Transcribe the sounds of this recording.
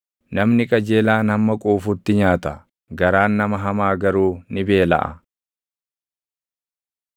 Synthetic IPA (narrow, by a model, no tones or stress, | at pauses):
nɐmnɪkʼɐd͡ʒe̞ːlaːnɐmːɐkʼuːfut̪ːɪɲaːt̪ɐ | ɡɐɾaːnːɐmɐɦɐmaːɡɐɾuːnɪbe̞ːlɐ̰ʔɐ̰